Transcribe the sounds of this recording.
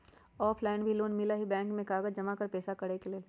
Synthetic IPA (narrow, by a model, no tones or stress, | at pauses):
ɔːpʰlaːɪnbʱiloːnmɪlaɦibɛ̃ːŋkmẽkaːɡəd͡ʒd͡ʒɐmakəɾpɛːsakɐɽekeleː